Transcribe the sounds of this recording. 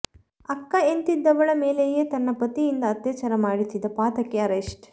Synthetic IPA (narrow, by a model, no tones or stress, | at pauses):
ɐkːɐent̪id̪ːɐʋɐɭɐmeːlejeːt̪ɐnːɐpɐt̪ːijind̪ɐːt̪jɐːt͡ʃɐɾɐmaːɽit̪ːid̪ɐpaːt̪ɐkːɛɐɾeʂʈ